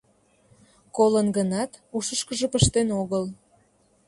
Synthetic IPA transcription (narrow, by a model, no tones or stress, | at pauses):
kolənɡənɑt̪uʃəʃkəʒəpəʃt̪enoɣəl